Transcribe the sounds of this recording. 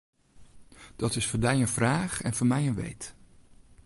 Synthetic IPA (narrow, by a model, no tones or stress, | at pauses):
d̥ɑtɪsfoːdɛjənvraːχɛnv̥ʊːmɛjənʋḛjt